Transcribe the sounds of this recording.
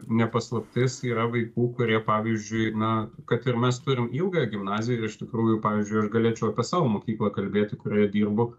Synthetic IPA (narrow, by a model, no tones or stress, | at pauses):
nʲɛpɐslˠɐpʲt̪ʲɪsiːɾɐʋɐɪkuːkʊɾʲiɛpɑːʋʲizʲd͡ʒʲʊɪnɐkɐt̪ɪrmʲɛst̪ʊɾʲɪmiːlˠɡɐjɛɡʲɪmnɑːzʲɪjɛɪrɪʃt̪ʲɪkɾuːjʊpɑːʋʲiɪzʲd͡ʒʊɪɐʃɡɐlʲeːt͡ʃʲɛʊɐpʲiɛsɑːʋoːmoːkʲiːklˠɐkɐlʲbʲeːt̪ʲɪkʊɾʲeːjɛd̪ʲiːrbʊ